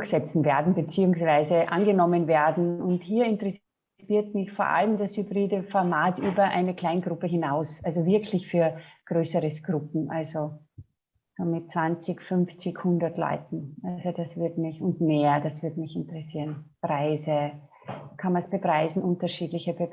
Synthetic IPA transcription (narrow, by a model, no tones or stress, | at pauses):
dʊçsɛt͡sn̩veːɐdn̩bət͡siːʊŋsv̥aɪzəʔa̰nɡənɔmənveːɐdn̩ʊnthiːɐɪntʁɛ | siːɐtmɪçfoːɐʔa̰ləmdashybʁiːdəfɔɐmaːtʔyːbɐʔa̰ɪnəkʰl̥aɪnɡʁʊpəɦɪnaʊsʔalzovɪɐkʰlɪçfyːɐɡ̥ʁøːsəʁəsɡ̥ʁʊpm̩ʔalzo | soːmɪt̚t͡sv̥ant͡sɪçfʏnft͡sɪkhʊndɐtlɔ̰ʏtn̩ʔalzod̥asv̥ɪɐtmɪçʊntmeːɐdasv̥ɪɐtmɪçɪntəʁ̥ɛsiːɐnpʁaɪzə | kʰanmansb̥əpʁ̥aɪzn̩ʔʊntɐʃiːdlɪçəb̥ə